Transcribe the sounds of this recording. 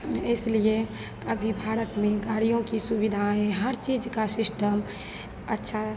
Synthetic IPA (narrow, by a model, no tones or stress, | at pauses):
ɪslie | əbʱibʱaːɾət̪mẽɡaːɽijõkisubid̪ʱaɦɛ̃ɦəɾt͡ʃiːd͡ʒkasɪsʈəm | ətːʃʰa